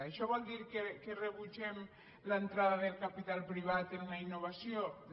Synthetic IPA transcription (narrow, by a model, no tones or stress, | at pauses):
eʃɔβald̪iɾkekereβut͡ʃem | laent̪ɾaðaðelkapit̪alpɾiβ̞at̪ennainːoβasjo